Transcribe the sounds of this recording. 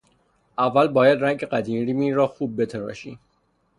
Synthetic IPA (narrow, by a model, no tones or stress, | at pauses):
ʔævːælbɒːjæd̪ɾæŋɟeɢæd̪iːmɾimiːɾɒːxuːb̚ːe̞t̪ʰeɾɒ̰ːʃḭ